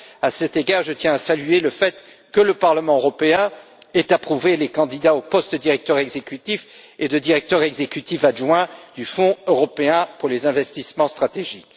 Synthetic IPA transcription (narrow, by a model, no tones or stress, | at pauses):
asɛt̪eɡaʁʒət̪jɛ̃asalyeləfɛt̪ | kələpaʁləmɑ̃øʁɔpeɛ̃ | ɛt̪apχuvelekɑ̃d̪id̪aopɔst̪əd̪iʁɛk̚t̪œʁɛɡzekʲyt̪if | ed̪əd̪iʁɛk̚t̪œʁɛɡzekʲyt̪ifaʒwɛ̃d̪̥yfɔ̃øʁɔpeɛ̃puʁlezɛ̃vɛst̪ismɑ̃st̪χat̪eʒik